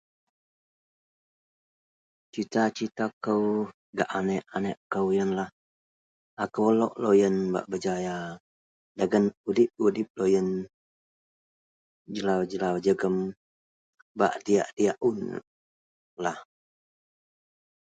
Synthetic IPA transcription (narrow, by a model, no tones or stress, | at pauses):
t͡ʃit̪at͡ʃit̪akəw | ɡaʔanɛʔanɛʔkəwjənlah | akəwlɔ̰ʔlojənba̰ʔbəd͡ʒaja | daɡənudip̚udip̚lojən | d͡ʒəlawd͡ʒəlawd͡ʒəɡəm | ba̰ʔdia̰ʔdijaʔun̰ | lah